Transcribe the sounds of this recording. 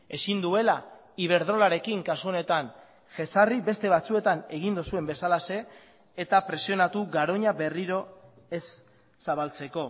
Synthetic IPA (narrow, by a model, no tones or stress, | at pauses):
e̞sind̪ue̞la | iβ̞e̞ɾð̞ɾo̞laɾe̞kiŋkasuo̞ne̞t̪an | ʝe̞saribe̞st̪e̞β̞at͡sue̞t̪ane̞ɣind̪osue̞mbe̞salase̞ː | t̪apɾe̞sio̞nat̪uɡaɾo̞ɲaβe̞riɾo̞ | e̞sː | aβalt͡se̞ko̞